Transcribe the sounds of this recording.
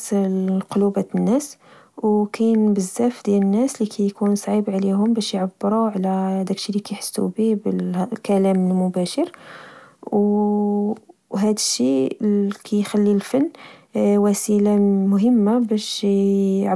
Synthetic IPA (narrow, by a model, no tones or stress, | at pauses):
qolubæt̪nːæs | wkæjnbəzːæfd̪jælənːæslikʰæjkunsˤʕibʕliɦʊmbæʃjʕabːɾuʕlæhæd̪ækʃilikæjħə̥sːṵbiblkælæməlmʊbæʃəɾ | w | ɦæd̪əʃːi | kʰæjxælːilfənːwæsilamʊɦəmːabæʃ | ʕ